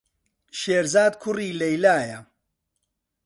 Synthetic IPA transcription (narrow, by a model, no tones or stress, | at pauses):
ʃeːɾzaːd̪kʰʊriːlɐjlaːjɐ